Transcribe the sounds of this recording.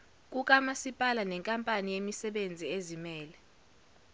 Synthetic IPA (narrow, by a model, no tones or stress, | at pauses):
k̬ʼuk̬ʼamasipʼalanɛŋkʼampʼanijemisɛɓend͡zʱiezimɛːlɛ